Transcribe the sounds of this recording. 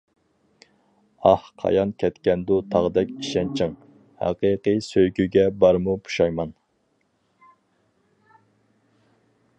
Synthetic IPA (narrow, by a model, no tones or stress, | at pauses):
ɑhqʰɑ̰jɑnkʲʰɛt̪kʲɛnd̪ut̪ʰɑʁd̪ɛkʲiʃɛnt͡ʃʰɪŋ | hɑ̰qiqisøjɡʲyɡʲɛbɑɾmupu̥ʃɑjmɑn